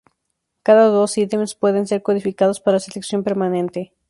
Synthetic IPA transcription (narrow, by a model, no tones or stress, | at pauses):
kaðaðo̞sit̪emespwe̞ðe̞ns̬e̞ɾko̞ðifikaðospaɾaseleksjo̞mpeɾmanẽ̞nt̪e̞